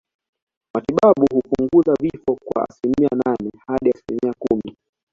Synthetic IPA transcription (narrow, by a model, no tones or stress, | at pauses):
matiɓaɓuhupuŋɡuzavifɔkwa̰a̰silimiananɛhaɗiasilimiakumi